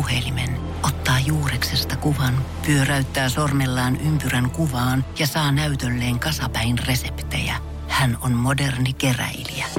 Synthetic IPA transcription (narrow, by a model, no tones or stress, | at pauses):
uhelimen | ot̪ːɑːjuːreksest̪ɑkuʋɑnpyøræyt̪ːæːsormelːɑːnʔympyræŋkuʋɑːnjɑsɑːnæyt̪ølːeːŋkɑsɑpæinresept̪ḛjæ̰ | hænonmodernikeræ̰ilḭæ